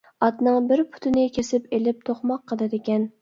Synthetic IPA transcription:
ɑt̪nɨŋbɪɾpʰʊ̥t̪ʰɪnɪkʲʰesɪpelɪp̚t̪ʰoχmɑqʰːəlɨd̪ɪkʲɛn

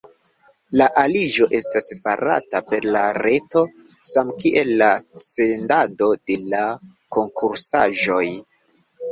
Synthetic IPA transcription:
laʔalid͡ʒo̞ʔe̞stasfaɾa̰tape̞ɾlaɾe̞to̞ | samkiʔe̞lːase̞ndado̞de̞la | ko̞ŋkʰuɾsa̰ʒo̞j

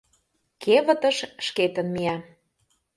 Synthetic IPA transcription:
kʰeβə̆t̪ə̆ʃʃket̪ənmiæ

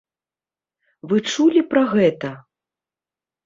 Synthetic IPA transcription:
vɨt͡ʂulʲipɾɐɣɛt̪ɐ

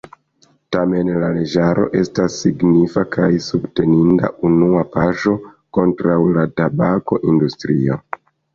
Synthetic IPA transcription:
tame̞nlale̞d͡ʒaɾo̞̰ʔe̞stasːiɡnifakʰajsubte̞ninda̰ʔunuapaʒo̞ko̞ntɾawladabako̞ʔindustɾḭo̰

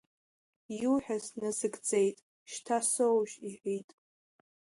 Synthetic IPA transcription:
juħᶣasnɨzɨɡd͡ze̞jtʼ | ʃtʰasowʒiħʷitʼ

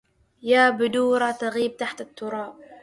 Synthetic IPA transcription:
jaːbʊd̪uːɾˤɑt̪aɣiːb̚t̪aħt̪at̪ːʊɾˤɑːb̚

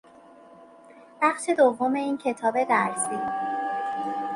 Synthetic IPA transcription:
b̥æχʃe̞d̪ovːome̞iːncʰe̞t̪ʰɒːbe̞d̪æɾsi

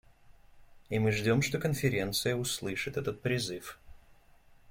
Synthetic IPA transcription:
imɨʐdʲo̞mʂt̪o̞kənfʲɪɾʲe̞nt̪sɨjəʊslˠɨʂɨt̪ɛt̪ət̪̚pɾʲɪzɨf

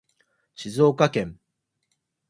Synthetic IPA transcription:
ɕizo̞ːkakẽ̞ŋ

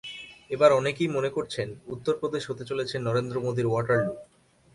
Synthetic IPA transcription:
ebaɾɔnekijmonekoɾt͡ɕʰenut̪ːoɾpɾod̪eʃɦot̪et͡ɕolet͡ɕʰenːɔɾend̪ɾomod̪iɾoaɾʈaɾɖu

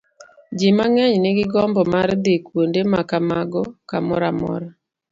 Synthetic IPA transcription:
d͡ʒimaŋɛɲnɪɡɪɡɔmbɔmard̪ekwondemakamaɡɔkamɔɾamɔ̰ɾa

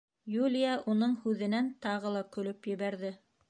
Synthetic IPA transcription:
julʲijɑʔunɤɴhʉðɘ̆nænt̪ɑʁɤlˠɑkɵ̆lɵpjɘ̆βæɾðɘ

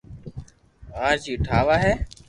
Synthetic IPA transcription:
ãːt͡ʃiːʈʰaːʋaːɦɛː

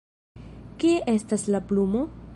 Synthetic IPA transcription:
kieʔe̞staslaplumo̞

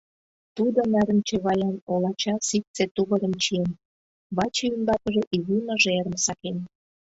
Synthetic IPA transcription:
t̪ud̪onæɾə̆nt͡ɕeβɑjɑnolɑt͡ɕɑsik̚t͡set̪uβə̆ɾəmt͡ɕijen | βɑt͡ɕeynb̪ɑkəʒeʔiβunəʒeɾə̆msɑken

